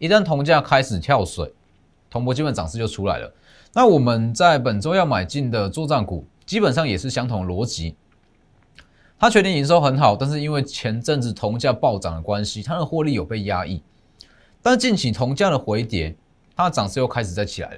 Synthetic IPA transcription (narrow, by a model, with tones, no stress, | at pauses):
i˧˥t̪a˥nt̪ʰʊ˧˥ŋt͡ɕja˥˧kʰa˥ɪʂɻ̩˨˩t̪ʰjɑ˥˩ʊswḛ˨˩˦ɪ | t̪ʰoʊ˧˥ŋpʰɔ˧˥t͡ɕi˥pə˨˦nt͡sɑ˨ŋs̩˥˧jo˥˩ʊʈ͡ʂʰu˥la̰˧˦ɪlə̰˨ | na˥˨wɔ˨˩mə˨nt͡sa˥˩ɪpə˨˩nt͡so˥ʊjɑ˥˩ʊma˨˩ɪt͡ɕi˥˩nd̪ə˩t͡swɔ˥˧t͡sa˥˩nkṵ˨˩ | t͡ɕi˦˥pə˨˩ns̬ʂɑ˥˩ŋjɛ˨˩ʂɻ̩˥˩ɕjɑ˥ŋt̪ʰʊ˧˥ŋlwɔ˧˥t͡ɕi˨˦ | t̪ʰa˥t͡ɕʰɥɛ˥njɛ˥˩ŋi˧˥nʂ̬o˥ʊxə˧˥nxɑ˨˩ʊt̪a˥˧nʂ̬ɻ̩˥˩i˦˥nwe˥˩ɪt͡ɕʰjɛ˧˥nʈ͡ʂə˥˧nt͡sɻ̩˥˩t̪ʰʊ˧˥ŋt͡ɕja˥˧pɑ˥˩ʊt͡sɑ̰˨˩ŋd̪ə˩kwa˦nɕi˦t̪ʰa˥d̪ə˨xwɔ˥˧li˥˩jo˨˩ʊpe˥˩ɪja˦˥ʔḭ˥˩ | t̪a˥˧nt͡ɕi˥˩nt͡ɕʰi˨˩t̪ʰʊ˧˥ŋt͡ɕja˥˩d̪ə˨xwe˧˥˦ɪt̪jɛ˨˦n | t̪ʰa˥˨t͡sɑ˨˩ŋs̩˥˧jo˥˩ʊkʰa˥ɪʂɻ̩˨˩t͡sa˥˩ɪt͡ɕʰi˨˩la̰˧˦ɪlə˧˦